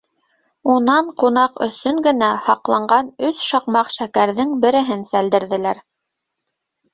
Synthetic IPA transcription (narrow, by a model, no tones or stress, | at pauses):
unɑɴqunɑqɵ̰̆sɵŋɡɘ̆næhɑqlˠɑɴɢɑnɵsʃɑqmɑqʃækæɾðɘŋbɘ̆ɾɘ̆ɦɘnsæld̪ɘ̆ɾðɘ̆læɾ